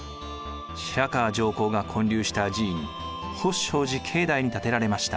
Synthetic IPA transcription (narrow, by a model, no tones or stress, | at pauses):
ɕɾakaːd͡ʑo̞ːko̞ːɡakʰõ̞ɲɾʲɨːɕi̥t̪ad͡ʑiːɲi | hoɕo̞ːʑikʰe̞ːd̪aiɲ̟it̪at̪e̞ɾaɾe̞maɕi̥t̪a̰